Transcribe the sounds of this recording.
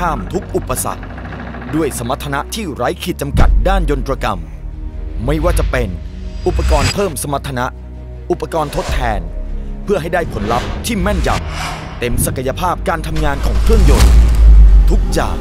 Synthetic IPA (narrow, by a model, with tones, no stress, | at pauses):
aː˥˩mt̪ʰu˦˥k̚ʔu˨˩pːa˧sa̰˨˩k̚ | du˥˩əjsa˩˦mːa˦˥t̪ʰːa˧na˦˥ʔt̪ʰiː˥˩ɾa˦˥jkʰi˨˩t̪̚t͡ɕa˧mka̰˨˩t̪̚daː˥˩njo˧nt̪ɾaː˧ka̰˧mː | a˥˩jwaː˥˩t͡ɕa˨˩pe˧n | ʔu˨˩pːa˧kɔː˧npʰɤː˥˩msa˧ma˦˥t̪ʰːa˧na˦˥ʔ | ʔu˨˩pːa˧kɔː˧nt̪ʰo˦˥t̪ʰːɛː˧npʰɯ˥˩əɦa˥˩jdaː˥˩jpʰo˩˦nla˦˥p̚t̪ʰiː˥˩mɛ˥˩nja̰˨˩p̚ | t̪e˧msa˨˩kʰa˧ja˧pʰaː˥˩p̚kaː˧nt̪ʰa˧mŋaː˧nkʰɔ̰ː˩˦ŋkʰɾɯ˥˩əŋjo˧n | t̪ʰu˦˥k̚t͡ɕa̰ː˨˩k̚